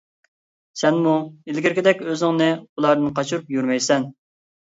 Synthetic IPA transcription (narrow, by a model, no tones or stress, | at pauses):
sɛnmuilɡʲɪɾkʲid̪ɛkʲøzɪŋnɨulˠɑɾd̪ɨnqʰɑt͡ʃʰuɾupjyɾmɛjsɛn